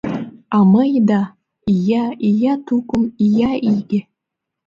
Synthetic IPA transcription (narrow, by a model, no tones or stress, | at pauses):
amajda | ijaijatʰukʷʼʊmijaʔiɡʲɪ